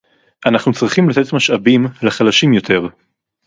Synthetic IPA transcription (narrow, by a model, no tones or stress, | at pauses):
ʔanaχnut͡sʁiχimlat̪e̞t̪maʃabimleχalaʃimjo̞t̪ʰeʁ